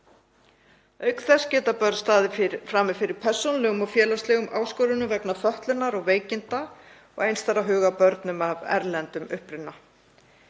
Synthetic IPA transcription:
œɥkθɛscɛːt̪apœɾt̪st̪aːðɪfɾaːmɪfɪɾɪɾ̥pʰɛr̥sownlɛɣʏmɔɣfjɛːlast̪lɛɣʏmʔaːwskɔːɾʏnʏmvɛknafœht̪lʏnaɾɔɣveːjcɪnt̪a | ɔ̰ɣejnst̪aɾaɦʏːɣapœɾt̪nʏmavɛ̰ɾlɛnt̪ʏmʏhpɾɪt̪nːa

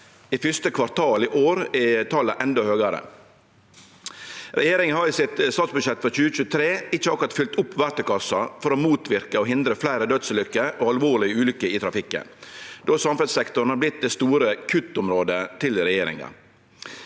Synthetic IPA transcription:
iːfʏst̪əkʰʋɑɾt̪ʰɑːliːʔoːɾɪt̪ʰɑlːəʔɛnd̪ohøːɡɑɾə̰ | ɾɛjeːɾɪŋənhɑɾɪsɪt̪st̪ɑːt̪sbʉd̪ʃjɛt̪ːfɾɔçʉːəc͡çʉːət̪ʰɾeːɪt͡ʃːəɑkɾɑt̪fʏlt̪ʊpːʋæɾt̪əkɑsɑfɔɾɔmuːt̪ʋɪɾkəɔɦɪnd̪ɾəflæɪɾəd̪œd̪səlʏkːəʔoːɑlʋoːɭɪəʉːlʏkːəiːt̪ʰɾɑfɪkːə̰nd̪oːsɑmfɛd̪sɛkt̪ʊɳ̩hɑɾblɪt̪̚d̪ɛːst̪uːɾəkʰʉt̪ːʊmɾoːd̪ət̪ʰɪlɾɛjeːɾɪ̰ŋɑ̰

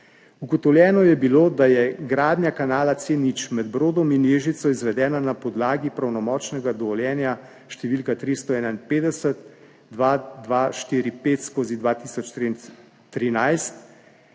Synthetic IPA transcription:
uɡɔt̪ɔwljɛːnɔjɛbiloːd̪ajɛɡɾaːd̪njakanaːlat̪senit͡ʃmɛd̪bɾoːd̪ɔminjeːʒit̪sɔizʋɛd̪ɛːnanapɔd̪laːɡipɾawnɔmɔːt͡ʃnɛɡad̪ɔʋɔljɛːnja | ʃt̪ɛʋiːlkat̪ɾist̪ɔɛːnainpeːd̪ɛsət̪ | d̪ʋad̪ʋaʃt̪iːɾipeːt̪skoːzid̪ʋat̪iːsɔt͡ʃt̪ɾin | t̪ɾinajst̪

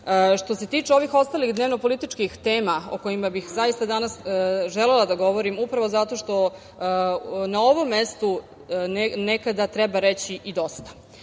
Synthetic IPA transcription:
ʂt̪o̞se̞t̪iːt͡ʂeo̞ʋixo̞st̪alixd̪neʋno̞po̞lit̪it͡ʂkixt̪eːmao̞̰ko̞jimabixzajist̪ad̪anasʒelelˠad̪aɡo̞ʋo̞ɾimupɾaʋo̞zat̪o̞ʃt̪o̞ | nao̞ʋo̞mːest̪u | nnekad̪at̪ɾɛbaɾet͡ɕiʔid̪o̞st̪ḁ

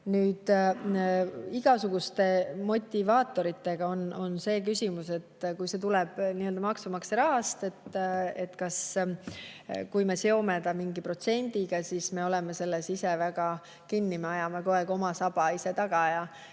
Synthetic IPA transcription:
nyːd̪̥ | iɡ̥ɑsuɡ̥ust̪e̞mo̞t̪ʲːivɑːt̪ːˑo̞ɾit̪ːe̞ɡ̥ɑo̞no̞nse̞ːk̬ysʲimuse̞t̪ːkujse̞t̪̬ulɛb̥niøld̪ɑmɑksumɑksɾɑɦɑst̪e̞t̪ːe̞t̪kɑs | kujmeseomed̪ɑmiŋɡipro̞t̪se̞nʲd̪̥iɡ̥ɑsiːsme̞o̞lɛmese̞lːesisevæɡ̥ɑ | kinːimeɑjɑmeko̞eɡo̞mɑsɑb̥ɑise̞t̪ɑɡ̥ɑjɑ

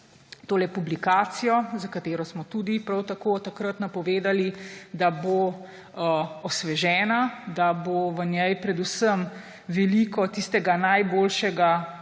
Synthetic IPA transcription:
t̪oːlɛpublikaːt̪sijɔzakat̪eːɾɔsmɔt̪ud̪ipɾawt̪akoːt̪akɾət̪napɔʋeːd̪alid̪abo | ɔsʋɛʒɛːnad̪aboʋənjɛjpɾɛd̪usəm | ʋɛlikɔt̪ist̪ɛɡanajboːlʃɛɡa

